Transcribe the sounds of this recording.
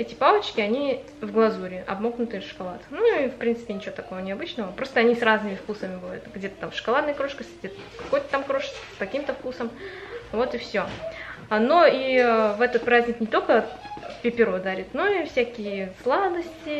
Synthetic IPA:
ɛtʲɪpavət͡ɕkʲɪɐnʲi | vɡlˠɐzuɾʲɪʔɐ̰bmoknʊt̪ɨfʂɨ̥kɐlˠat̪nuifpɾʲint̪sɨ̥pʲɪnʲɪt͡ɕɪvot̪ɐko̞vənʲɪɐbɨt͡ɕnəvəpɾo̞st̪əɐnʲisraznɨmʲɪfkusəmʲɪbɨvajʊt̪ɡdʲe̞t̪ə̥t̪amfʂɨ̥kalˠad̪nəjəkɾo̞ʂkəsʲɡ̚dʲet̪ | kɐ̥ko̞jt̪ə̥t̪amkɾo̞ʂsʲskɐkʲimt̪əfkusəm | vo̞t̪ɪfsʲo | no̞ivɛt̪ət̪̚pɾazʲnʲɪknʲɪt̪o̞lʲkəpʲɪpʲɪɾod̪aɾʲɪt̪no̞ifsʲækʲɪjəslˠad̪əsʲtʲɪ

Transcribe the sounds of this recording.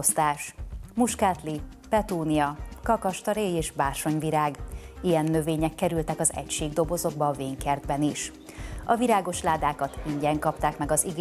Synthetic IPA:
st̪aːʃmuʃkaːt̪li | pɛt̪uːnijɒkɒkɒʃt̪ɒɾeːjeːʃbaːrʃo̞ɲviɾaːɡijɛnːø̞veːɲɛkːɛɾylt̪ɛkɒzɛ̰cʃeːɡd̪o̞bo̞zo̞ɡbɒːveːŋkɛrd̪bɛniʃ | ɒviɾaːɡo̞ʃlaːd̪aːkɒt̪iɲɟɛŋkɒpt̪aːkmɛɡɒziɡ

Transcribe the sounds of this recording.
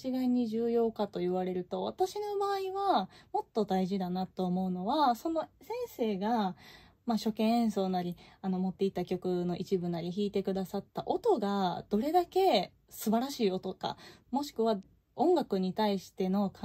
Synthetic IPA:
t͡ɕiɡaiɲ̟iʑɨːjo̞ːkat̪o̞jɯβaɾe̞ɾɯ̟t̪o̞βat̪aɕino̞baːiβamo̞t̪ːo̞d̪aiʑid̪anat̪ːo̞ːmo̞ɯ̟no̞βaso̞no̞sẽ̞ɰ̃se̞ːɡa | maɕo̞kẽ̞ɰ̃ẽɰ̃so̞ːnaɾʲiano̞mo̞t̪ːe̞it̪ːakʲo̞kɯ̟no̞ʔit͡ɕibɯ̟naɾʲiçiːt̪e̞kɯ̟d̪asat̪ːaʔo̞t̪o̞ɡad̪̥o̞ɾe̞d̪ake̞ | sɨbaɾaɕiːo̞t̪o̞ka̰mo̞ɕi̥kɯ̟βa | õ̞ŋɡakɯ̟ɲ̟it̪aiɕi̥t̪e̞no̞k

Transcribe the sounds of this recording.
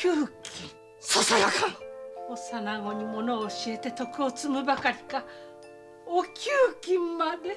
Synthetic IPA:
kʲɯːkʲĩ | sosajakãosanaɡo̞ɲ̟imo̞no̞ːɕie̞t̪e̞t̪o̞kɯ̟o̞t͡sɨmɯ̟bakaɾʲi̥ka | okʲɨːkʲĩmːad̪e

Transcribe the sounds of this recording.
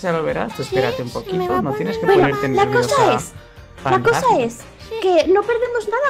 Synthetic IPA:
ʝaloβeɾa̰st̪espeɾat̪eumpokitonot̪jeneskebenɾet̪enlakossaes | lakosaes | kenopeɾðemoznaða

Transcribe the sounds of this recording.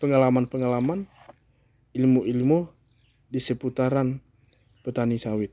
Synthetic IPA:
pəŋalamanpəŋalaman | ilmuʔilmu | disəput̪aɾan | pət̪anisawɪt̪̚

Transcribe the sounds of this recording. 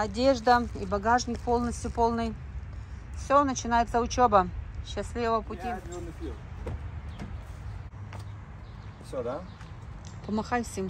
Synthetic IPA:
ɐdʲe̞ʐd̪əibɐɡaʐnʲɪk̚po̞lˠnəsʲt̪ʲjʊpo̞lˠnɨj | fsʲonət͡ɕɪnajɪt̪səʊt͡ɕobəɕːɪsʲlʲivəpʊtʲi | pɐmɐxajfsʲɪm

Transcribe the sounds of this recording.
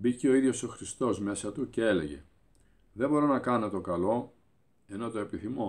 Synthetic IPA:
biceo̞iðʝo̞so̞xɾist̪o̞zme̞sɐt̪ucee̞le̞̰ʝe̞̰ | ðe̞bo̞ɾo̞nɐkɐno̞t̪o̞kɐlo̞ | e̞no̞t̪o̞e̞piθimo̞

